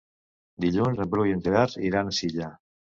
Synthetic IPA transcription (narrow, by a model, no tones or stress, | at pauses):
d̪iʎunzəmpɾujent̪eɣaɾiɾansiʎa